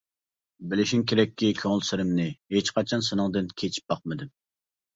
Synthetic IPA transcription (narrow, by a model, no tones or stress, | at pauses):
bɪlɪʃimkʲeɾɛkʲːikʲʰøŋɪlˠsɪɾɪmnɪɦet͡ʃqʰɑt͡ʃʰɑnsɨnɨŋd̪ɨnkʲʰet͡ʃʰi̥p̚bɑq̚mɨd̪ɪm